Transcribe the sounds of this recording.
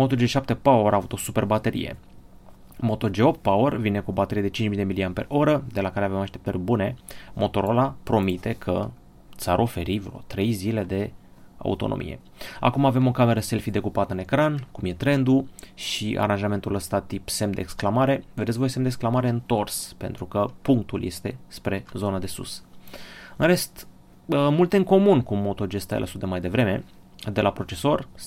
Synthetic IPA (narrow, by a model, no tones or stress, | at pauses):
mot̪od͡ʒeʃap̚t̪e̞paoɾʔavut̪o̞supe̞rbat̪e̞ɾḭjḛ | mo̞t̪o̞d͡ʒeopt̪̚paorvinekuo̞bat̪e̞ɾie̞d̪e̞t͡ʃint͡ʃmild̪emilianpe̞̰ro̞ɾəd̪e̞lakaɾeavemaʃt̪e̞p̚t̪ərʲbune̞mo̞t̪o̞ɾo̞lapɾo̞mit̪e̞kʰə̰ | t̪saɾʔo̞fe̞ɾivɾo̞̰t̪ɾe̞jzile̞d̪e̞ | a̰ṵt̪o̞̰no̰mʔḭje̞̰ | a̰kumave̞mo̞kame̞ɾəse̞lfid̪e̞kupat̪əɨne̞kɾankumje̞t̪ɾe̞nd̪uʃiʔa̰ɾanʒame̞nt̪uləst̪at̪ipse̞md̪e̞eːksklamaɾe̞ved̪esʲvojsemd̪eksklamaɾe̞ɨnt̪o̞rspe̞nt̪ɾukəpuŋk̚t̪ulje̞st̪e̞̰spɾe̞zo̞nəd̪e̞sṵs | ɨnɾe̞st̪ | əmult̪e̞ɨŋko̞munkumo̞t̪o̞d͡ʒe̞st̪ajḛlʔə̰sut̪emajd̪e̞vɾe̞me̞̰ | d̪e̞lapɾo̞t͡ʃe̞so̞r